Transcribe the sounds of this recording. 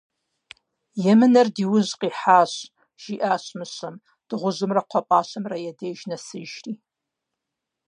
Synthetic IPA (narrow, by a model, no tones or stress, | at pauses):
jɛmɨnɐrdiːwʊʑqiːħaːɕ | ʒ̥iːʔaːɕmɨɕɐm | d̥ɨʁʷʊʑɨmrɐqʷʰɔpʼaːɕɐmrɐjɛdeːʒnɐsɨʒriː